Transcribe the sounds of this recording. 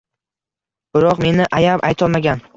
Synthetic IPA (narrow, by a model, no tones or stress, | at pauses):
b̥ɪɾɒqme̞nɪʔajapajt̪ʰɒlˠmaɡʲan